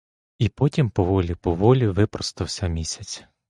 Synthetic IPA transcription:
ipɔtʲimpɔʋɔlʲipɔʋɔlʲiʋɪpɾɔst̪ɪwsʲɐmʲisʲɐt͡sʲ

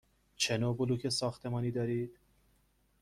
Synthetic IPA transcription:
t͡ʃʰenobʊlukʰesɒːxt̪ʰemɑːniːd̪ɒːɾiːd̪̥

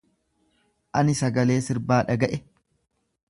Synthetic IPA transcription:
ʔɐnɪsɐɡɐle̞ːsɪɾbaːᶑɐɡɐʔɛ

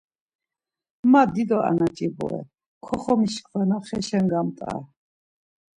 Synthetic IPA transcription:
mad̪id̪ɔʔa̰nat͡ʃʼibɔ̰ɛ̰ | kʰɔχɔmiʃkʰwɛnaχɛʃɛŋɡamt̪ʼa̰

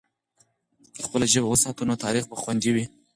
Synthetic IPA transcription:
d̪̥əxpəlaʒəbawəsɑt̪unot̪ɑɾixbəxwand̪iwi

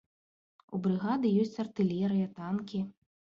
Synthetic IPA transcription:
ṵbɾɨɣad̪ɨjɔsʲt͡sʲɐrt̪ɨlʲɛɾɨjɐt̪ankʲi

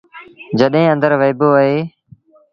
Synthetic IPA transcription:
d͡ʒəɗɦẽːə̃nd̪əɾʋəɪboːəɦeː

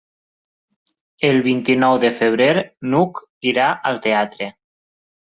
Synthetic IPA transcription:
elˠβint̪inɔwðefeβ̞ɾeɾnuk | iɾaʔəlˠt̪eat̪ɾe

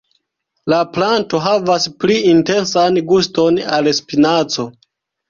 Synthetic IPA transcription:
laplanto̞ɦavaspliinte̞nsanɡusto̞nalespinat͡so̞

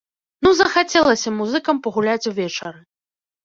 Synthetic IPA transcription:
nuzɐxat͡sʲɛlˠɐsʲɐmuzɨkɐmpɐɣulʲat͡sʲuvʲɛt͡ʂɐɾɨ

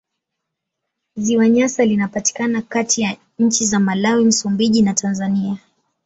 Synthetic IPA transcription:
ziwaɲasalinapati̥kanakatija | ɲ̩t͡ʃizamalawim̩sumbiʄinatʰanzania

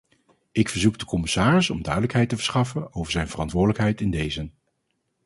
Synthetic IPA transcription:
ɪkfəɹzuk̚dəkɔmɪsaːrɪsɔmdœɥdələkɦɛjtəvəɹsχɑfənowvəɹzɛjnvərɑntʋʊːɹdələkɦɛjtɪndejzən

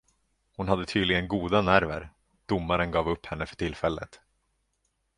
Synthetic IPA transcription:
hʊnɦad̪ːət̪ʰyːd̪lɪɡənɡuːd̪anæɾvəɾ | d̪̥ʊmːaɾənɡɑːvɵpːhɛnːəfœ̥ʈʰɪlfɛlːə̰t̪

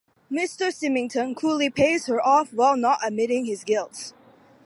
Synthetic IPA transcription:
mɪstəsɪmɪ̃ŋtʰə̃nkʰulipʰezhə˞ʔɔfwaɪlˠnɔtəmɪɾɪ̃ŋhɪzɡɪlˠts

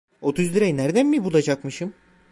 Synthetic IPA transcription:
o̞t̪ʰuzliɾɛjnæɾd̪ænmibulˠad͡ʒakmɯʃɯm

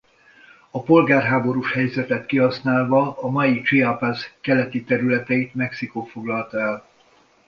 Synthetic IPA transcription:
ɒpo̞lɡaːrɦaːbo̞ɾuʃhɛjzɛt̪ɛt̪kiɦɒsnaːlvɒːmɒjit͡ʃiapazkɛlɛt̪it̪ɛɾylɛt̪ɛit̪mɛksikoːfo̞ɡlɒlt̪ɒɛl

